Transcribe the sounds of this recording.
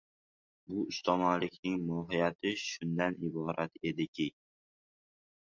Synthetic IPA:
bʊʊst̪ʰɒmanlɪkʲnɪŋmɒɦɪjat̪ʰɪʃʊnd̪anɪbɒɾʔat̪e̞d̪ɪkʲʰɪ

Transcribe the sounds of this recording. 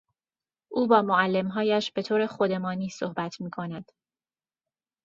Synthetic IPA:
ʔuːbɒːmoælːe̞mɦɒːjæʃbe̞t̪ʰoːɾe̞χod̪e̞mɒːniːsohbæt̪ʰmiːkʰo̞næd̪̥

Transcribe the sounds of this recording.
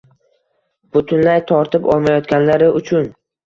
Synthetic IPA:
b̥ʊt̪ʰʊnlajt̪ʰɒɾt̪ʰɪpɒ̰lˠmajɒt̪ɡʲanlaɾɪʊt͡ʃʰʊn

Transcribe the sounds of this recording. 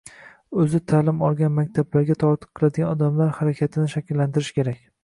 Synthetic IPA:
ɵzɪt̪ʰaːlɪmɒlˠɡʲanmakʲt̪ʰablaɾɡʲat̪ʰɒɾt̪ʰɨ̥qʰːɨlˠad̪ɪɡʲanɒd̪amlaɾhaɾakʲʰat̪ʰɪnɪʃakʲɪlːant̪ɪɾɪʃkʲʰe̞ɾakʲ

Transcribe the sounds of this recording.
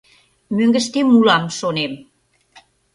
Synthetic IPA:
møŋɡə̆ʃt̪emulɑmʃonem

